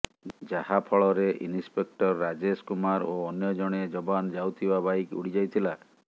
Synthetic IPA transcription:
d͡ʒahapʰɔɭɔɾeʔḭnispek̚ʈɔɾːad͡ʒeskumaɾoːnjɔd͡ʒɔɽ̃ed͡ʒɔbanɔd͡ʒawt̪ʰibabajkṵɽid͡ʒajt̪ʰila

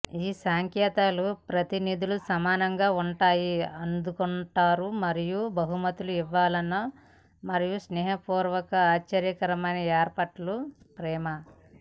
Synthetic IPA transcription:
iːsaːŋkjɛːt̪aːlupɾɐt̪inid̪ulusɐmaːnɐŋɡaːuɳʈaːjiɐnd̪ukuɳʈaːɾumɐɾijubɐɦumɐt̪uluiʋːaːlɐnːɐ | mɐɾijusnɛːɦɐpuːɾʋɐkɐaːt͡ʃːɐɾjɐkɐɾɐmɐjnɐɛːɾpɐʈlu | pɾɛːmɐ

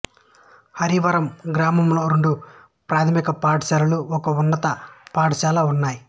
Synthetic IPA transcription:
hɐɾiʋɐɾɐmɡɾaːmɐmloːɾoɳɖu | pɾaːt̪ʰɐmikɐpaːʈʃaːlɐluɔkɐunːɐt̪ɐpaːʈɐʃaːlɐunːaːji

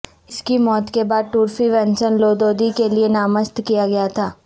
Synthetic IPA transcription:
ɪskimɔːt̪kebaːd̪̚ʈuːɾfiʋɛ̃nt͡ʃənloːd̪oːd̪ikelienaːməst̪kijaɡɐjat̪ʰaː

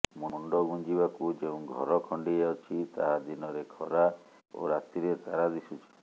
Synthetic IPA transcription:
muɳɖɔɡuɲd͡ʒibakud͡ʒeũɡʱɔ̰ɾɔkʰɔɳɖieɔt͡ʃʰit̪aɦad̪inɔɾekʰɔɾa | o̰ɾat̪iɾet̪aɾad̪isut͡ʃʰi̥

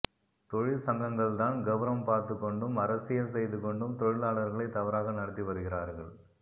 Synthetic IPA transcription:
t̪ɔɻɪlsɐŋɡɐŋɡɐɭt̪aːnɡɐʋɐɾɐmpaːɾt̪ɯkːɔɳɖɯmɐɾɐsɪjɐlsɛjðɯkːɔɳɖɯmt̪ɔɻɪlaːɭɐɾɣɐɭɐɪt̪ːɐʋɐɾaːɣɐnɐɽɐt̪ːiʋɐɾɯɣɪraːɾɣɐɭ

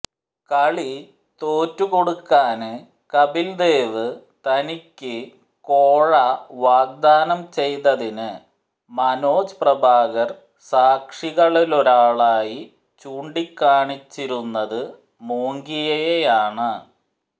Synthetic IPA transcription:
kɐɭi | t̪oːtːuko̞ɽukːaːnɨ | kɐbild̪e̞ːʋɨ | t̪ɐnikʲːɨ | koːɻɐʋaːɡ̚d̪aːnɐmt͡ɕe̞jt̪ɐðinɨ | mɐno̞ːd͡ʑɨprɐbʱaːɣɐr | saːkʂiɣɐɭilo̞ɾaːɭaːji | t͡ɕuːɳɖikːaːɳit͡ɕːiɾunːɐðɨ | moːŋɡijɐjejaːɳɨ

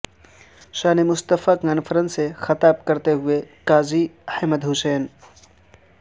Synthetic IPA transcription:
ʃaːnemʊst̪əfakaːnfʰəɾə̃nsexɐt̪aːb̚kɐɾt̪eɦʊekaːzihəməd̪ɦʊsɛːn

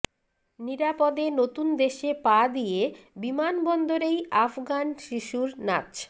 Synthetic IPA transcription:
niɾapod̪enot̪und̪eʃepad̪ijebimanbɔnd̪oɾejafɡanʃiʃuɾna̰t͡ɕ

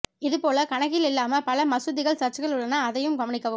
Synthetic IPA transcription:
ɪðɯpoːlɐkɐɳɐɣɪlɪlːaːmɐpɐlɐmɐsɯðɪɣɐɭsɐʈt͡ʃːɯɣɐɭɯɭːɐnaːðɐjɯmɡɐmɐɳɪkːɐʋɯm

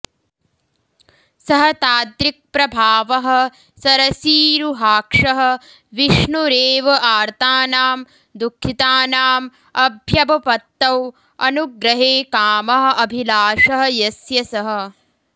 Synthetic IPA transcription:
sɐɦɐt̪aːd̪ɾik̚pɾɐbʱaːʋɐɦɐ̆ | sɐɾɐsiːɾuɦaːkʂɐɦɐ̆ | ʋiʂɳuɾeːʋɐʔaːɾt̪ʰaːnaːm | d̪ukʰːit̪aːnaːm | ɐbʱjɐbɐpɐt̪ːɐw | ɐ̰nuɡɾɐɦeːkaːmɐɦɐ̆ʔɐbʱilaːʂɐɦɐ̆jɐsjɐsɐɦɐ̆

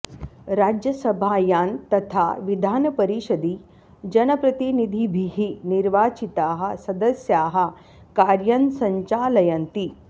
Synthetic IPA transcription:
ɾaːd͡ʒjɐsɐbʱaːjaːnt̪ɐt̪ʰaʋid̪ʱaːnɐpɐɾiʃɐd̪i | d͡ʒɐnɐpɾɐt̪inid̪ʱibʱiɦiniɾʋaːt͡ʃit̪aːɦɐ̆sɐd̪ɐsjaːɦɐ̆ | kaːɾjɐnsɐɲt͡ʃaːlɐjɐnt̪i

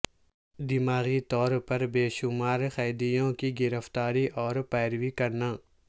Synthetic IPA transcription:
d̪ɪmaːɣit̪ɔːɾpɐɾbeːʃʊmaːɾxaːd̪ijõkiɡɪɾəft̪aːɾiʔɔːɾpɛːɾʋikɐɾnaː

